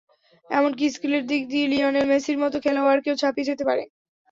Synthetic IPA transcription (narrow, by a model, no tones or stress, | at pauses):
ɛmonk̬iskuleɾd̪ik̚d̪ilioneɾmesiɾmɔt̪okʰɛlaoaɾkewt͡ɕʰapid͡ʑet̪epaɾḛ